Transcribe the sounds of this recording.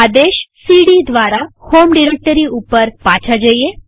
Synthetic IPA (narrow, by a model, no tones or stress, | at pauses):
ad̪eʃsiɽid̪ʋaɾahomɖiɾek̚ʈəɾiupəɾpat͡ʃʰad͡ʒəje